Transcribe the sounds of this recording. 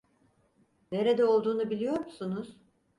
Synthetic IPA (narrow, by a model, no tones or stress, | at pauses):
ne̞ɾe̞d̪ɛo̞lˠd̪uːnubilʲijo̞ɾmusunuz̥